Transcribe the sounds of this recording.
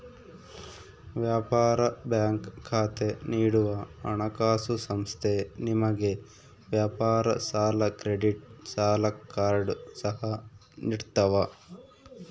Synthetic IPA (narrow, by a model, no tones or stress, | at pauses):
ʋjaːpaːɾɐbjaːŋkʰːaːt̪eniːɽuʋɐɐɳɐkaːsusɐmst̪ʰenimɐɡe | ʋjaːpaːɾɐsaːlɐkɾeɖiʈsaːlɐkaːɾɖsɐɦɐ | niɽt̪ɐʋɐ